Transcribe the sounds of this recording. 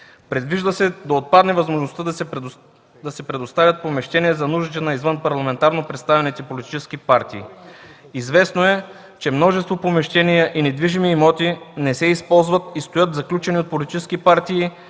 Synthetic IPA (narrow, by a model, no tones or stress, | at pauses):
pɾɛd̪viʒd̪əsɛd̪ɐot̪̚pad̪nɛvɐzmoʒnost̪əd̪ɐ | d̪ɐsɛpɾɛd̪ost̪avʲɐt̪̚pomɛʃt̪ɛniɛzɐnuʒit̪ɛnɐizvənpɐɾlˠɐmɛnt̪aɾnopɾɛt̪st̪avɛnɛt̪ɛipolit̪i̥t͡ʃɛsk̟ipaɾt̪iː | izvɛsnoɛ | t͡ʃɛmnɔʒɛst̪vopomɛʃt̪ɛnijəʔinɛd̪viʒimiːmɔt̪inɛsɛispɔlˠzvət̪ist̪ojɤt̪zɐklʲut͡ʃɛniot̪̚polit̪it͡ʃɛskipaɾt̪iː